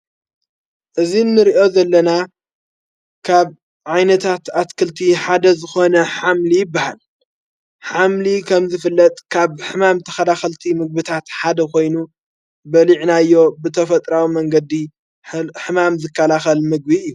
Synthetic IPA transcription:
ʔɨzinːɨɾiʔo̞zɐlːɐna | kʰaβ | ʕajnɐt̪ʰat̪at̪kʰɨlt̪ʰiħad̪ɐzɨxo̞nɐħamlijɪbːahal | ħamlikʰɐmzɨfɨlːɐt̪ʼkʰaβħɨmamt̪ʰɐxɐlaxɐlt̪ʰimɨɡ̚bɨt̪ʰat̪ħad̪ɐko̞jnu | bɐliʕnajːo̞bɨt̪ʰɐfɐt̪ʼɾawimɐŋɡɐd̪ːi | ħɨmamzɨkːɐlaxɐlmɨɡ̚biɨjːu

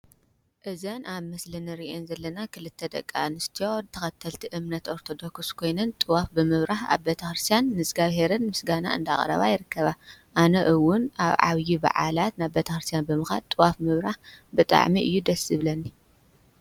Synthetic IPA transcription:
ʔɨzɐnaβmɐslɐnɨɾiʔenzɐlːɐnakʰɨlɨt̪ʰːɐd̪ɐ̰kʼːa̰nɨst̪ʰiot̪ʰɐxɐt̪ʰːɐlt̪ʰiʔɨmnɐt̪o̞ɾt̪ʰo̞d̪o̞kskʰo̞jnɐnt̪ʼɨwafbɨmɨβɾaħa̰βbet̪ʰɐxɾɨst̪ʰijanːɨsɡaβɦeɾɨnmɨsɡana̰ɨ̰nd̪a̰χʼɾɐ̰βa̰jɪɾɨkːɐβaʔanɐʔɨwʊnaβʕa̰βjiba̰ʕa̰lat̪naβbet̪ʰɐxɾɨst̪ʰijanbɨmɨxalt̪ʼɨwafmɨβɾaħbɨt̪ʼa̰ʕmiʔɨ̰jːud̪ɐsɨβlɐnːi

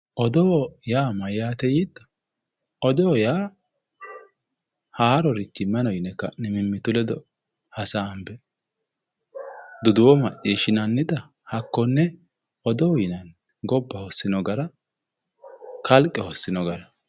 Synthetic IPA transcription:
ʔɔd̪ɔwjaːmɐjaːt̪ɛjid̪ɐ̥ | ɔd̪ɔwjaː | haːɾɔɾɪt͡ʃːɪmɐnɔjɪnɛkːɐnɛmɪmːɪt̪ʊlɛd̪ɔ | hɐsambɛ | d̪ʊd̪ʊwɔmɐʔʼiːʃɪnɐnːɪd̪ɐ | hɐkːɔnːɛ | ɔd̪ɔwjɪnɐn | ɡɔbːɐhɔsːɪnɔɡɐɾɐ | kɐlkʼːɛhɔsːɪnɔɡɐɾɐ

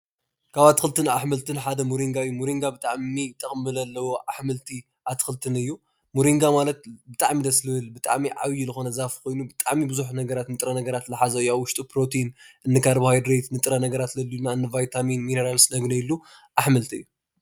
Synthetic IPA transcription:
kʰaβat̪ʰɨ̥xɨlt̪ʰɨnaħmɨlt̪ʰɨnħad̪ɐmuɾiŋɡaɨjːumuɾiŋɡabɨt̪ʼaʕmit̪ʼɐkʼmɨlɐlːɐwoʔaħmɨlt̪ʰi | ʔat̪ʰɨ̥xɨlt̪ʰɨnɨjːu | muɾiŋɡamalɐt̪̚bɨt̪ʼaʕmid̪ɐslɨhɨlbɨt̪ʼa̰ʕmiʕa̰wjulɨxo̞nɐzafkʰo̞jnubɨt̪ʼaʕmibɨzuħnɐɡɐɾat̪nɨt̪ʼɾɐnɐɡɐɾat̪lɨħazɐɨjaβwʊʃt̪ʼupɾo̞t̪ʰinʔɨnːɨkʰaɾbhajd̪ɾet̪nɨt̪ʼɨɾɐnɐɡɐɾat̪lɐlːunːaɨnːɨvajt̪ʰaminmineɾalsnɐɡnɐjilːuʔaħmɨlt̪ʰiɨjːu

